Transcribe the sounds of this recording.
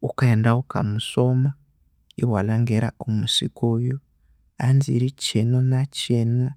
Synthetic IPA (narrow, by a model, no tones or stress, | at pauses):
ukaendauka̰musoma | iɦwalaŋɡeɾa̰umusikojo | anziːɾit͡ʃenonat͡ʃena